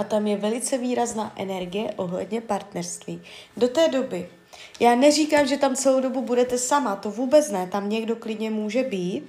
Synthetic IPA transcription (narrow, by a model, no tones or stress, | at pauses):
ʔat̪amjɛvɛlɪt͡sɛviːɾaznaːʔɛnɛɾɡɪjɛʔo̞ɦlɛ̰dɲɛpaɾt̪nɛɾst̪viːdo̞t̪ɛːdo̞bɪ | jaːnɛriːkaːmʒɛt̪amt͡sɛlowdo̞bubudɛt̪ɛsamat̪o̞vuːbɛt͡snɛt̪amɲɛɡdo̞klɪdɲɛmuːʒɛbiːt̪